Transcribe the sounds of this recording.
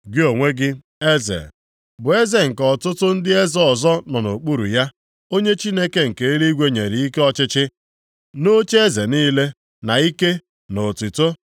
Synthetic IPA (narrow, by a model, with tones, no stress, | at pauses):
ɡɪ˦o˨ŋʷe˦ɡɪ˦ | e˦zḛ˨ | bʊ˨e˦ze˨ŋ̩˨kɔ˨tʊ˦tʊ˦n̩˦dɪ˦e˦zɔ˦ɔ˨zɔ˦nɔ˨no˨k͡pu˦ɾṵ˨ja˦ | o˦ɲe˦t͡ʃi˦ne˦ke˦ŋ̩˨ke˨i˦ɾi˦ɡʷe˦ɲe˨ɾi˨i˦ke˦ɔ˦t͡ʃɪ˦t͡ʃɪ˦ | no˦t͡ʃe˦ze˨niː˦le˦ | na˨i˦ke˦ | no˨ti˨to˦